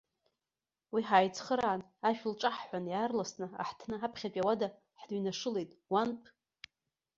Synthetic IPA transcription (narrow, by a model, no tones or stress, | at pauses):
wiħaːjt͡sʰʼχəɾaːnaʃᶣlʈ͡ʂʼaħħʷanjaːrlasnɨa̰ħtʰnɨapʰχʲat͡ʃʷʼawada | ħdɥnaʂɨle̞jtʼwanpʰʼ